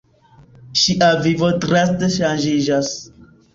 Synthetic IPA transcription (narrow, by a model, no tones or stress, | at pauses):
ʃiʔavivodɾɛstʃand͡ʒid͡ʒas